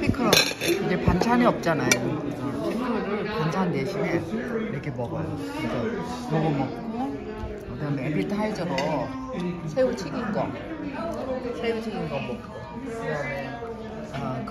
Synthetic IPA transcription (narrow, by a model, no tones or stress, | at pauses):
pʰikʰɯɾʌid͡ʑe̞pant͡ɕʰaniʌp̚t͡ɕ͈anajot͡ɕʰemɯnɯɾɯɭpant͡ɕʰandeɕʰineiɾʌkʰe̞mʌɡʌjo | kesʰʌ | mʌɡʌmʌko | ɯdmebiɭtʰaid͡ʑʌɾʌ | sʰeut͡ɕʰiɡinɡʌ̰ | sʰeut͡ɕʰiɡinɡʌmʌk | a